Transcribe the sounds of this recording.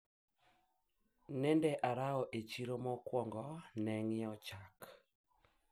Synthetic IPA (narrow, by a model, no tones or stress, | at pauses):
nɛndɛʔaɾaɔʔet͡ʃiɾomɔkwɔŋɡɔnɛŋɪɔt͡ʃak